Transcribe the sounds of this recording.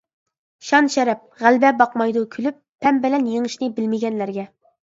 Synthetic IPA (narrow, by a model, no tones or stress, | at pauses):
ʃɑnʃɛɾɛp̚ʁælbɛbɑqmɑjd̪ukʲʰylypʰːɛmbɪlɛnjeŋɨʃnɨbɪlmɪɡʲɛnlæɾɡʲɛ